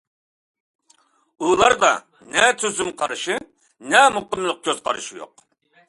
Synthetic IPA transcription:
ulˠɑɾd̪ɑ̰ | nɛt̪ʰyzymqʰɑɾɨʃi | nɛmuqəmlˠəq̚kʲʰøz̥qʰɑ̰ɾɨʃijo̰q

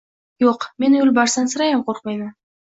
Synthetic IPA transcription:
joqme̞nɵlʲbɑɾsɑnsɨɾɑjɑmqʰoɾq̚mɑjnɪ

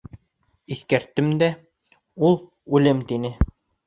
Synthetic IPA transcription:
iθkæɾt̪ːɘmd̪æ | ulˠ | ʉlɘmt̪inɘ

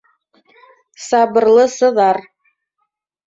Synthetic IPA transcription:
sɑbɤ̆rlˠɤsɤ̆ðɑr

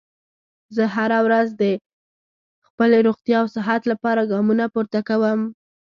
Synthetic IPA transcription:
zəɦaɾawɾazd̪ə | xpəleɾoɣt̪jɑwsɪɦat̪lapɑɾaɡɑmunapoɾt̪akawəm

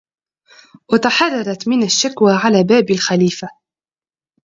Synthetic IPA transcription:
wat̪ɑħɑrˤːɑɾˤɑt̪mɪnaʃːakwaːʕalaːbaːbalxaliːfa

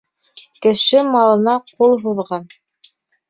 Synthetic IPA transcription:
kɘ̆ʃɘmɑlˠɤ̆nɑqulˠɦuðʁɑn

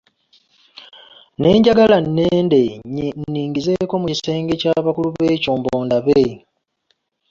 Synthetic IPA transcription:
ne̞ːɲɟaɡalanːeːnde̞nːiːŋɡize̞ko̞mucise̞ːŋɡe̞caβakuluβe̞ːcoːmboːndaβe

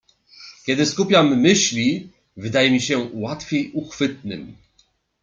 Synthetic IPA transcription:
kʲɛd̪ɘskupʲjamːɘɕlʲi | vɘd̪ajɛmʲiɕɛwat̪fʲjejuxfɘt̪̚nɘ̰m

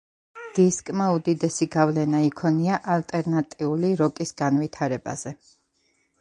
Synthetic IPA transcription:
d̪̥iskʼmaud̪id̪ɛsiɡavlɛnaikʰɔniaʔalt̪ʼɛɾnat̪ʼiuliɾɔkʼisɡ̥anvit̪ʰaɾɛba̰z̥ɛ

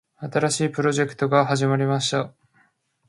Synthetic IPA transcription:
at̪aɾaɕiːpɯ̟ɾo̞ʑe̞kɯ̟̥t̪o̞ɡaɦaʑimaɾʲimaɕi̥t̪a

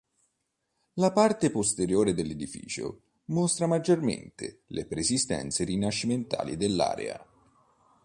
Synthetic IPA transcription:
lapart̪epost̪eɾjoːɾed̪elːed̪ifḭːt͡ʃo̰ | most̪ɾamad͡ʒːormḛnt̪elepɾesist̪ɛ̰nt̪serinaʃːiment̪a̰ːlḭd̪elːa̰ːɾḛa̰

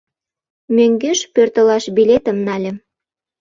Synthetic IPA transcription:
møŋɡeʃpørt̪ə̆lɑʃbilʲet̪ə̆mnɑlʲĕ

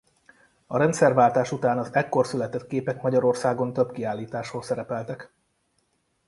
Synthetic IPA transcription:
ɒɾɛnt̪sɛrvaːlt̪aːʃut̪aːnɒzɛkːo̞rsylɛt̪ɛt̪keːpɛkmɒɟɒɾo̞rsaːɡo̞nt̪ø̞bkiaːlːiːt̪aːʃhoːsɛɾɛpɛlt̪ɛk

